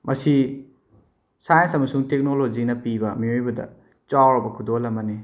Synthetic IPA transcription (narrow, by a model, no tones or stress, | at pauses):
mɐsi | sajnsɐmɐsuŋtek̚nolod͡ʒinɐpibɐmiojbɐdɐ̰ | t͡ʃawɾɐbɐkʰudolɐmɐni